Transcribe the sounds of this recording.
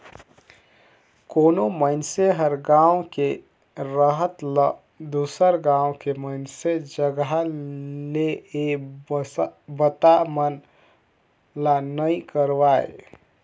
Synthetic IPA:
koːnoməɪnseɦəɾɡãːwke | ɾəɦət̪l | d̪usəɾɡãːõkeməɪnsed͡ʒəɡəɦ | lee | bət̪amən | lanəĩkəɾʋaːḛ

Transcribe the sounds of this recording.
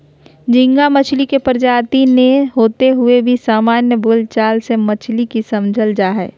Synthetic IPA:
d͡ʒɪ̃ŋɡamət͡ʃʰlikepəɾd͡ʒaːt̪ineɦoːt̪eɦʊebʱisaːmaːnjəboːlt͡ʃaːlsemət͡ʃʰlikisɐmd͡ʒʱəld͡ʒaɦɛ̰ː

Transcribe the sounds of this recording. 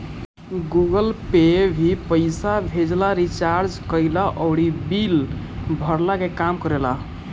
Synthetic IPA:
ɡuɡəlpebʱipəɪsabʱed͡ʒlaɾit͡ʃaɾd͡ʒkəjlaʔəwɽibilbʱəɾlakekamkəɾela

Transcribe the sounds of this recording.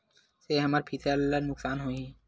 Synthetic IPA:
seɦamaɾpʰit̪ʰallaɾnuksanɦoj

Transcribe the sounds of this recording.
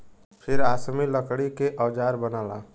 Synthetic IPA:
pʰɪɾaːsmiləkɽikeʔɔːd͡ʒaːɾbənaːla̰ː

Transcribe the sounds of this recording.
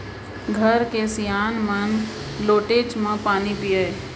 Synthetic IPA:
ɡʱəɾkesijaːnmən | loːʈeːd͡ʒmãpaːnipijə

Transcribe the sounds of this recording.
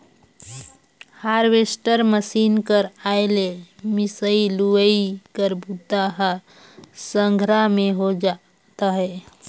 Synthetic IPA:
haɾbesʈəɾməsinkəɾaelemisəiluəikəɾbut̪aɦə | səŋɡʱɾameɦod͡ʒa | t̪əɦɛ

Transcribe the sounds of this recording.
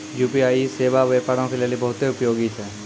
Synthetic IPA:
jupiajisebabepaɾɔ̃ŋkʰilalibɔɦut̪eupjoɡit͡ʃʰa

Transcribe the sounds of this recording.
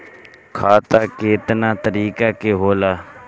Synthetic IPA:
kʰaːt̪aːkeːt̪naːt̪əɾiːkaːkeːɦoːlaː

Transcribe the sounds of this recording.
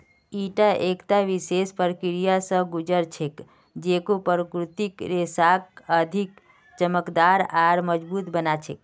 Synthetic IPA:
iʈaʔekt̪aʋisespəɾkiɾijasəɡud͡ʒəɾt͡ʃʰek | d͡ʒekõpəɾəkɾut̪ikɾesakəd̪ʱik | t͡ʃəməkd̪aɾaɾməd͡ʒbut̪bənat͡ʃʰek̚

